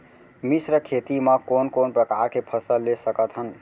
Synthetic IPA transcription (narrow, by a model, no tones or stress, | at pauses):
misɾəkʰet̪iməkonkonpɾəkaɾkepʰəsəlːesəkət̪ɦən